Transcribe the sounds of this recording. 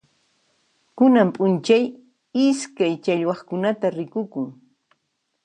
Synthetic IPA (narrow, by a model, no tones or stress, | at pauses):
kʊnampʼʊnt͡ʃaj | ɪskajt͡ʃaʎwɑχkʊnat̪aɾɪkʊkʊŋ